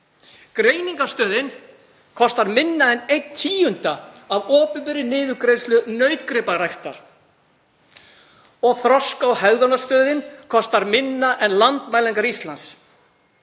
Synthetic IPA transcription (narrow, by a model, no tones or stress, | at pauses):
kɾeːjniŋkast̪œːðɪn | kʰɔst̪aɾmɪnːaɛnejt̪ʰːiːjʏnt̪aavɔːpʏpʏɾɪnɪːðʏkɾejslʏnœɥt̪kɾɪpaɾajht̪a̰ɾ̥ | ɔɣθɾɔskawhɛɣðɔnast̪œːðɪnkʰɔst̪aɾmɪnːaʔɛnlant̪maːjlɛŋkaɾist̪lans